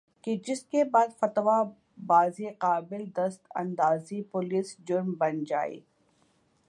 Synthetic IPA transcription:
ked͡ʒɪskebaːd̪fɐt̪ʋa | baːziqaːbɪld̪ɐst̪ɐ̰̃nd̪aːzipʊliːsd͡ʒʊɾmbɐnd͡ʒa̰ːḭː

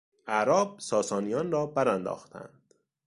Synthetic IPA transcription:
æɾɒːb̥̚sɒːsɒːnijɒːnrɒːbæɾænd̪ɒ̰ːxt̪ʰæ̰nd̪̥

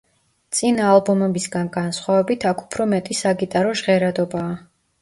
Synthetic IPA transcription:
t̪sʼinaːlˠbɔmɛbisɡanɡansχwavɛbit̪ʰakʰu̥pʰɾɔmɛt̪ʼisaɡit̪ʼaɾɔʒʁɛɾad̪ɔbaː

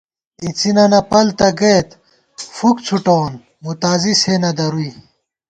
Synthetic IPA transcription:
it͡sinɐnɐpɐlt̪ɐɡet̪ | fukt͡sʰuʈoːn | mut̪aːziseːnɐd̪ɐɾui

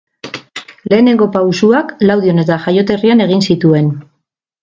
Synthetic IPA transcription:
le̞ːne̞ŋɡo̞pawsuaklawð̞io̞ne̞t̪aʝajo̞t̪e̞riane̞ɣ̞insit̪ue̞n

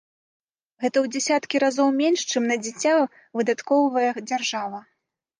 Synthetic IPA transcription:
ɣɛt̪ɐwd͡zʲɛsʲat̪kʲiɾazɔwmʲenʂt͡ʂɨmnɐd͡zʲit͡sʲːa | vɨd̪at̪kɔwvɐjɐd͡zʲarʐavɐ

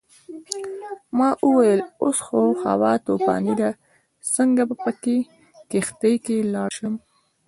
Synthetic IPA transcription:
mɑʔuwajəlosxoxa̰wɑt̪opɑ̰nid̪a | səŋɡabapəke | kext̪əjkelɑʃəm

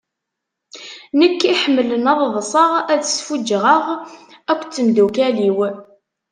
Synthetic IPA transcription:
nəkːiħəmːələnɑðˤðˤsˤəʁæðəsfud͡ʒʁəʁ | ækʷːt͡sːəmd̪ukæliw

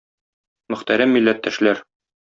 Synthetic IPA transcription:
mɵ̆χt̪æɾæmːilːæt̪ːæʃlæɾ

